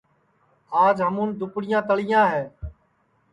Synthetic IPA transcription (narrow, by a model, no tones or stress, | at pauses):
aːd͡ʒɦəmũːnd̪ʊpɽɪjãːt̪əɭɪjãːɦɛː